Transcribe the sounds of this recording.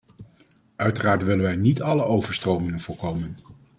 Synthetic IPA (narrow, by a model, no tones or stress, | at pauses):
œɥtəraːɹtʋɪlənʋɛjnitɑləʔowvəɹstrowmɪŋənv̥ʊːɹkowmən